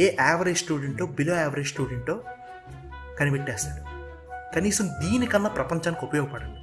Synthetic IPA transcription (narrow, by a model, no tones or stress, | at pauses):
eːʔaːʋɐɾed͡ʒsʈuːɖeɳʈloːbiloːaːʋɐɾed͡ʒsʈuːɖeɳʈːoː | kɐnibeʈːɛːst̪aːɽu | kɐniːsɐmd̪iːnikɐnːɐpɾɐpɐɲt͡ʃaːnikopɐjoːɡɐpɐɽɐu